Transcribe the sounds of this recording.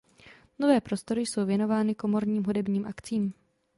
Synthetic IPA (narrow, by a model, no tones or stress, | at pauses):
no̞vɛːpɾo̞st̪o̞ɾɪjso̞wvjɛno̞vaːnɪko̞mo̞ɾɲiːmɦudɛbɲiːmʔakt͡siːm